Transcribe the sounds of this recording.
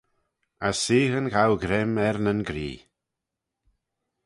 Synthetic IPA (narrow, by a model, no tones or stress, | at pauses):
asːiːhənɡawɡɾɪmɛɾnənɡɾḭː